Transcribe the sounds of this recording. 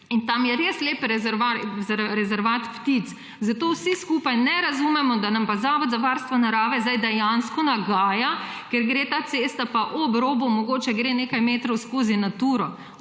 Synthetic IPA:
int̪amjɛɾesleːpɾɛzɛɾʋazɛɾɛzɛɾʋaːt̪pt̪it̪s | zat̪owsiskuːpajnɛɾazumɛmɔd̪anampazaːʋɔd̪zaʋaɾst̪ʋɔnaɾaːʋɛzd̪ajd̪ɛjanskɔnaɡaːjakɛɾɡɾeːt̪aːt̪seːst̪apaʔɔbɾoːbɔmɔɡoːt͡ʃɛɡɾeːneːkajmeːt̪ɾɔwskoːzinat̪uːɾɔ

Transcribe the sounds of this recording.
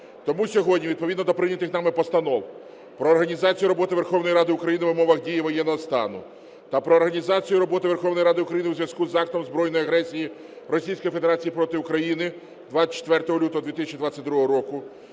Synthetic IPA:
t̪ɔmusʲɔɦɔdʲnʲiʋʲid̪pɔʋid̪nɔd̪ɔpɾɪnʲɐt̪ɪxnɑmɪpɔst̪ɐnɔw | pɾɔːrɦɐnʲizɑt͡sʲijuɾɔbɔt̪ɪʋerxɔwnɔjɾɑd̪ɪʊkɾɐjinɪʋʊmɔʋɐxdʲijiʋɔjɛnːɔɦɔst̪ɑ̰nʊ̰ | t̪ɐpɾɔːrɦɐnʲizɑt͡sʲijʊɾɔbɔt̪ɪʋerxɔwnɔjiɾɑd̪ɪʊkɾɐjinɪwzʲʋʲjɐskuzɑkt̪ɔmzbɾɔjnɔjɐɦɾɛsʲiji | ɾɔsʲijsʲkɔjifed̪eɾɑt͡sʲijipɾɔt̪ɪʊkɾɐjinɪ | d̪ʋat͡ʃe̥t̪ʋɛrt̪ɔɦɔlʲut̪ɔɦɔd̪ʋʲit̪ɪsʲt͡ʃʲid̪ʋɑtt͡sʲːɐt̚ʲd̪ɾuɦɔɦɔɾɔkʊ

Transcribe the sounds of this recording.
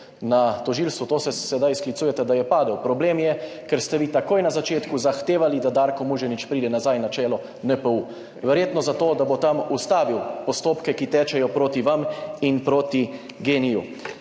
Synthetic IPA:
nat̪ɔʒiːlst̪ʋut̪oːsɛsɛd̪ajsklit̪suːjɛt̪ɛd̪ajɛpaːd̪əwpɾɔbleːmjɛ | kɛɾst̪ɛʋiːt̪akoːjnazat͡ʃeːt̪kuzaxt̪eːʋalid̪ad̪aːɾkɔmuʒɛnit͡ʃpɾid̪ɛnazajnat͡ʃɛːlɔ | nəpəu | ʋɛɾjeːt̪nɔzat̪oːd̪abot̪amust̪aːʋiwpɔst̪oːpkɛkit̪ɛːt͡ʃɛjɔpɾoːt̪iʋaminpɾoːt̪i | ɡeːniju

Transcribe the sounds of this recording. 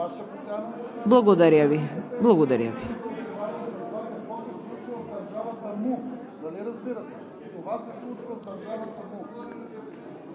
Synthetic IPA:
vaʃɐpokanɐ | blˠɐɡod̪aɾʲaviblˠɐɡod̪aɾʲja̰vivaɾk̪ovakɐkvosɛslˠut͡ʃivɐd̪ɐɾʒavɐt̪əmu | d̪aliɾɐzbiɾɐt̪ | t̪ovasɛslˠut͡ʃivɐd̪ɐɾʒavɐt̪əmu

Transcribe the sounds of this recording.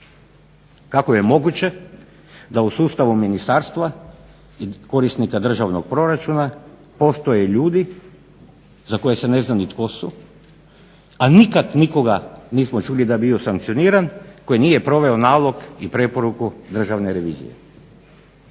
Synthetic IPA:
kako̞je̞mo̞ɡut͡ɕe̞ | d̪ausuːst̪aʋuminist̪aɾst̪ʋa | iko̞ɾisnikad̪r̩ʒaʋnoɡ̚pɾo̞ɾat͡ʃuna | po̞st̪o̞jeʎuːd̪i | zako̞je̞se̞ne̞znanit̪ko̞su | anikad̪niko̞ɡaniːsmo̞t͡ʃuːlid̪abio̞saŋkt̪sioniːɾanko̞jiniːjepɾo̞ʋe̞o̞naːlˠo̞ɡipɾe̞po̞ɾukud̪r̩ʒaʋne̞ɾe̞ʋiːzḭje̞̰

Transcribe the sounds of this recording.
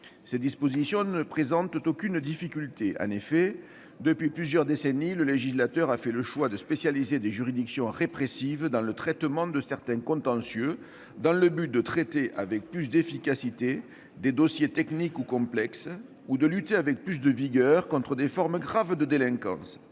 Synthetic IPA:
sed̪ispozisjɔ̃nəpχezɑ̃t̪ːokynd̪ifikʲylt̪eʔɑ̰̃nefɛ | d̪əpɥiplyzjœʁd̪eseniləleʒislat̪œʁafɛləʃwad̪əspesjalized̪eʒyʁid̪iksjɔ̃ʁepχesivd̪ɑ̃lət̪χɛt̪əmɑ̃d̪əsɛʁt̪ɛ̃kɔ̃t̪ɑ̃sjø | d̪ɑ̃ləbyt̪̚d̪ət̪χet̪eʔa̰vɛk̚plys̬d̪efikasit̪e | d̪ed̪ɔsjet̪ɛknikukɔ̃plɛks | ud̪əlyt̪eavɛk̚plys̬d̪əviɡœʁkɔ̃nt̪χəd̪efɔʁmɡʁavd̪əd̪elɛ̃ŋkɑ̰̃s

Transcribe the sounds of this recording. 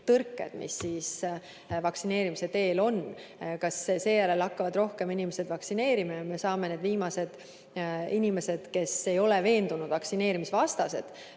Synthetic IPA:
t̪ɤrkːˑḛd̪̥mḭsːis | vɑksine̞ːɾimise̞t̪e̞ːlo̞nkɑsse̞ːjæɾe̞lɑkːɑvɑd̪ro̞hke̞minimesed̪vɑksine̞ːɾimɑjɑme̞sɑːme̞ne̞ːd̪viːmɑse̞d̪̥ | inime̞se̞d̪̥ke̞se̞jo̞le̞ve̞ːnd̪̥unud̪̥vɑksine̞ːɾimisvɑst̪ɑse̞̰d̪̥

